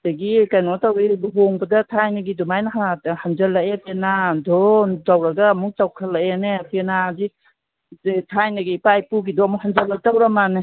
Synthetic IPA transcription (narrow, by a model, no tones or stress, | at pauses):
taɡikajnɔtawibuɦɔŋbɐdatʰajnaɡidumajnaɦahand͡ʒalaʔepenadɔntawɾaɡamuk̚tawkʰalːaenepenadi | tʰajnaɡipajpuɡidɔmɔhand͡ʒalatawɾamane